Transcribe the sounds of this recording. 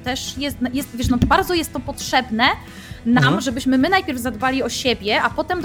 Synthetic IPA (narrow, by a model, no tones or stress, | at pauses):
t̪ɛʂjɛst̪jɛst̪vʲjɛʂnɔbaɾd̪zɔjɛst̪ːɔpɔtʂɛbnɛ | namʐɛbɘɕmɘmɘnajpʲjɛɾvzad̪balʲiɔɕebʲjɛapɔt̪ɛmd̪